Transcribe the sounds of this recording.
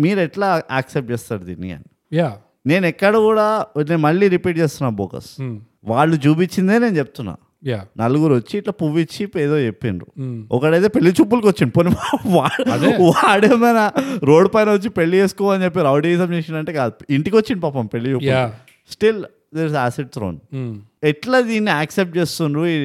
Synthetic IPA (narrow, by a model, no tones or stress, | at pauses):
miːɾɛʈlaːaːksep̚d͡ʒeːst̪aːɽd̪ḭnːḭɐ̰ni | ja | ne̞ːnɛkːɐɽɐkuːɽaːneːnmɐɭːiːɾipiːʈ̚t͡ʃeːst̪unːaːbo̰ːkɐ̰s | ʋaːɭːud͡ʒuːp̬it͡ʃːind̪eːne̞ːnut͡ʃeput̪unːa̰ː | janɐluɡuɾuʋɐt͡ʃːiːʈlaːpuʋit͡ʃːipeːd̪o̞ːt͡ʃepːinṵɔkːɐɽɐjt̪̬e̞ːpeɭːit͡ʃuːp̬ːulkiʋot͡ʃːiɳɖiponipːmʋaːɐd̪ʋaːɽeːmɐjnɐɾoːɖpɐjnɐʋot͡ʃːipeɭːieːsu̥kɔːʋaːɐnt͡ʃep̬ːeɾɐwɖiis̬ɐmt͡ʃeːsind̪ɐɳʈeːkaːd̪uiɳʈikʋot͡ʃːind̪ipaːpɐmpeɭːit͡ʃuːulki | sʈil | d̪eːɾsaːsiɖ̚t̪ɾo̰ːnɛʈlad̪iːnːiaːksep̚ʈ̚t͡ʃe̞ːst̪undui